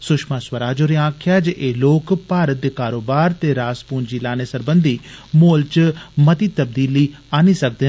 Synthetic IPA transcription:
sʊkʃmaːswəɾaːd͡ʒoːɾeãːkʰjaːd͡ʒʔeːloːkpaːɾət̪̚d̪eːkaːɾoːbaːɾt̪eːɾaːspuːnd͡ʒiːlaːneːsəɾbənd̪iːmoːlt͡ʃmət̪iːt̪əb̚d̪iːliːaːniːsək̚d̪eː

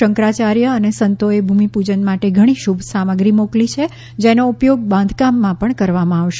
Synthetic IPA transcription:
əŋkɾat͡ʃaɾjəːnesənt̪oebʱumipud͡ʒənmaʈeɡʱəɽ̃iʃubʱsaməɡɾimoklit͡ʃʰe | d͡ʒenoupjoɡ̚bãnd̪ʱkamːãpəɳkəɾʋamãaʋʃ

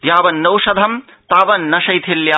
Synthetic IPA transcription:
jaːʋɐnːɐwʂɐd̪ʱɐm | t̪aːʋɐnːɐʃɐjt̪ʰiljaː

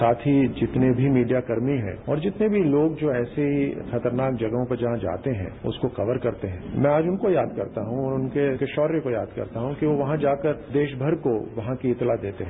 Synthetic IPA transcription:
saːt̪ʰɦid͡ʒɪt̪nebʱimiːɖijakɐɾmiɦɛ̰̃ːɔ̰ːɾd͡ʒɪt̪nebʱiloːɡd͡ʒoːɛːseɦixɐt̪əɾnaːk̚d͡ʒɐɡɦõpɐɾd͡ʒɐɦãd͡ʒa̰ːt̪eɦɛ̰̃ːʊ̰skoxɐʋəɾkɐɾt̪eɦɛ̃mɛ̃aːd͡ʒʊnkojaːd̪kɐ̰ɾt̪aɦũɔːɾʊnkekeʃɔːɾẽkoja̰ːd̪kɐ̰ɾt̪aɦũkiʋoʋɐɦãd͡ʒaːkəɾd̪eːʃbʱɐɾkoʋɐɦãkiɪt̪lad̪eːt̪eɦɛ̃

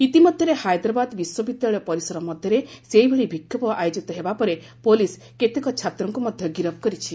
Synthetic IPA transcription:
it̪imɔd̪ʱjɔɾehajd̪ɾɔbad̪biswɔbid̪jaɭɔpɔɾisɔɾɔmɔd̪ʱjɔɾeseibʱeɭibʱikʰjɔpɔʔajod͡ʒit̪ɔɦebapɔɾe | polis | ket̪ekɔt͡ʃʰat̪ɾɔŋkumɔd̪ʱjɔɡiɾɔb̚kɔɾit͡ʃʰi

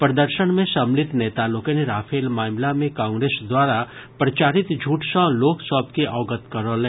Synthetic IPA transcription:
pɾɐd̪əɾʃəɽ̃mẽʃɐmlɪt̪neːt̪aːlokeneɾaːfʰeːlmaːmlamẽkãːŋɡɾeːsd̪waːɾapɾɐt͡ʃaːɾɪt̪d͡ʒʱuːʈʃãːloːksɔːpkeʔɔːɡət̪kɐɾolẽː

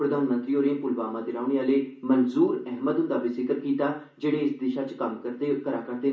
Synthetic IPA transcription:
pɾəd̪ʱaːnmə̃nt̪ɾiːoːɾẽːpʊlʋaːmãːd̪ɪɾaːʊɳ̃eaːleːmənzuːɾɛɦməd̪ʊnd̪aːbiːzɪkəɾkiːt̪aː | d͡ʒeːɽeːɪsd̪ɪʃaːt͡ʃkəmkəɾekəɾaːkəɾd̪eː

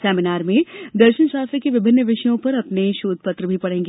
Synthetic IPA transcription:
sɛːmɪnaːɾmẽd̪ɐɾʃənʃaːst̪ɾəkeʋɪbʱɪnːəʋɪʃəjõpɐɾɐpneʃoːd̪̚ʱpɐt̪ɾəbʱipɐɽẽːŋɡe

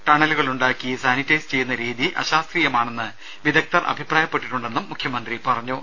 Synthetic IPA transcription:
ʈɐɳɐluɣɐɭuɳɖaːkːijɐsaːnitːɐjst͡ɕe̞jːunːɐɾiːðiʔɐ̰ɕaːst̪riːjɐmaːɳe̞nːɨ | ʋiðɐk̚t̪ɐrʔɐ̰bʱipraːjɐpːe̞ʈːiʈːuɳɖe̞nːumːukʰjɐmɐnd̪ripɐrɐɲːuː

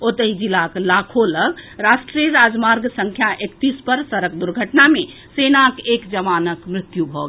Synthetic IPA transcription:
ot̪əɦid͡ʒilaklakʰoləɡʱɾasʈɾijəɾad͡ʒmaɾɡsə̃ŋkʰjaʔekt̪ispəɾsəɾək̚d̪uɾɡʱəʈname | senakekd͡ʒəʋanəkmɾɪt̪jubʱɔɡ

